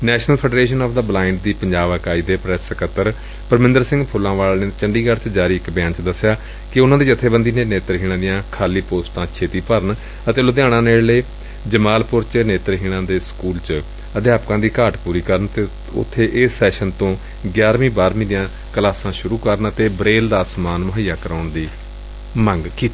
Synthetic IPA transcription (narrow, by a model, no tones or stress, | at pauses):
nɛːʃnəlpʰɛːɖɾeːʃənɔːpʰd̪aːblaːɪɳɖ̚d̪iːpəɲd͡ʒaːʋəkaːiːd̪eːpɾɛsəkət̪ːəɾ | pəɾmɪ̃nd̪əɾsɪ̃ŋɡpʰʊlːãːʋaːlneːt͡ʃəɳɖiːɡəɽt͡ʃd͡ʒaːɾiːɪkbjãːnt͡ʃd̪əsjaː | kɪʊnãːd̪iːd͡ʒət̪ʰːeːbənd̪iːneːneːt̪əɾɦiːɽ̃ãːd̪ɪjãːkʰaːliːpoːsʈãːt͡ʃʰeːt̪iːpəɾən | ət̪eːlʊd̪jaːɽ̃aːneːɽleː | d͡ʒəmaːlpʊɾt͡ʃneːt̪əɾɦiːɽ̃ãːd̪eːskuːlt͡ʃ | əd̪jaːpkãːd̪iːkaːʈpuːɾiːkəɾənt̪eː | ʊ̰t̪ʰːeːʔɪːsːɛːʃənt̪õː | ɡjaːɾmĩːbaːɾmĩːd̪ijãː | kəlaːsãːʃʊɾuːkəɾnət̪eːbɾeːld̪aːsmaːnmʊɦəjaːkəɾaːʊɳd̪iː | mə̃ŋɡkiːt̪iː